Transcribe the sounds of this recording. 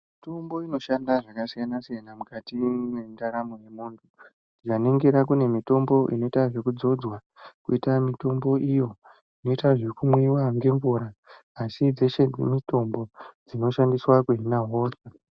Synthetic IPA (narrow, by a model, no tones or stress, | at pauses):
mmito̞mbo̞ino̞ʃandaʐakasijanasijanamukatinendaɾamuje̞muːntʰu | dit͡ʃaneŋɡeɾak̬une̞mito̞mbo̞ʔḭno̞itaʐe̞kud͡zo̞d͡zwa | kuitamito̞mbo̞ʔijo̞ | ino̞itaʐe̞kumwiwaŋɡe̞ɱvuɾaː | sid͡zeʃed͡zemito̞mbo̞d͡zino̞ʃandiswakuɦinaɦoːsa